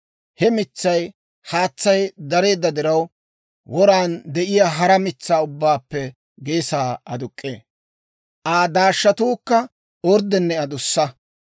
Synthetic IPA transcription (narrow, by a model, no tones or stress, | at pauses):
hɛmɪt͡sːɐj | haːt͡sːɐjd̪ɐɾe̞ːd̪ːɐd̪ɪɾɐw | wʔɔɾaːnd̪ɛʔɪjaːɦɐɾɐmɪt͡sːaːʊbːaːpːɛ | ɡe̞ːsaːɐd̪ʊkʼːḛː | ʔaːd̪aːʃːɐt̪uːkːɐ | ɔɾd̪ɛnːɛɐd̪ʊsːɐ